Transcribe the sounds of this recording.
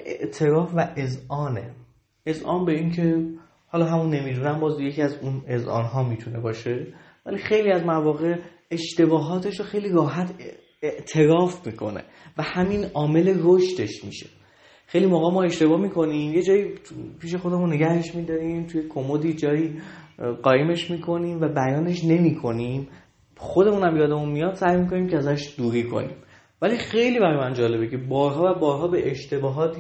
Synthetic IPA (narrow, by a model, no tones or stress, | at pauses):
ḛʔt̪ʰe̞ɾɒːfvæʔezɒːne̞̰ | ezʔɒ̰ːnbe̞iːncʰe̞ | hɒːlɒːɦæmunːe̞miːd̪uːnæmbɒːzje̞cʰiæzune̞zɒ̰ːnɦɒːmiːt̪ʰune̞bɒːʃe̞ | væ̰liːxe̞jliæzmævɒːɣe̞ | eʃt̪e̞bɒːɦɒːt̪ʰe̞ʃoxe̞jliːɾɒːɦæt̪ʰ | eʔt̪ʰe̞ɾɒːfmiːkʰo̞̰nḛ | væhæminɒːme̞leɾoʃt̪e̞ʃmḭːʃe̞̥ | xejlimoːɣɒːmɒːe̞ʃt̪e̞bɒːmiːkʰo̞nimje̞d͡ʒɒːjipʰiːʃe̞xo̞d̪e̞munːe̞ɟæhe̞ʃmid̪ɒɾiːmt̪ʰuje̞kʰo̞mod̪iːd͡ʒɒːiːɢɒːjeme̞ʃmiːkʰo̞niːmvæbæjɒːne̞ʃne̞miːkʰo̞niːm | xo̞d̪e̞munæmjɒːd̪emunmijɒd̪sæjmiko̞niːmcʰeæzæʃd̪̥uːɾiːkʰo̰nḭːm | vælixejliːbæɾɒjmænd͡ʒɒːle̞becʰebɒːɾɦɒːvæbɒːɾɦɒːbe̞ʔeʃt̪e̞bɒːɦɒːt̪ʰi